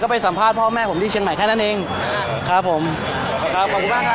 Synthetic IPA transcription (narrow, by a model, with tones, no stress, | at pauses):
kɔː˥˩p̬a˧jsa˩˦mpʰaː˥˩t̪̚pʰɔː˥˩mɛː˥˩o˩˦t̪iː˥˩t͡ɕʰi˧ŋma˨˩˦jkʰaː˥˩na˥˩nʔeː˧ŋ | kʰɾa˦˥pʰːo˨˩˦m | kʰa˦˥p̚kʰɔ˨˩p̚ku˧nbaː˥˩˥